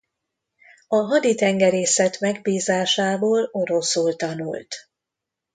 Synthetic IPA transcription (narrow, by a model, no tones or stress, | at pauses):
ɒɦɒd̪it̪ɛŋɡɛɾeːsɛt̪mɛɡbiːzaːʃaːboːlo̞ɾo̞suːlt̪ɒnṵlt̪